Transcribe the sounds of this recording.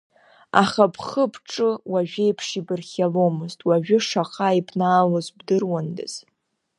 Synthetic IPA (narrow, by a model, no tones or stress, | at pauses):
a̰χapʰχəpʰʈ͡ʂʼɨwaʒᶣʷejpʰʂibɨrχʲalo̞mɨztʼwaʒᶣʏʂaχaipʰʼnaːlozbdɨrwandɨ̰z̥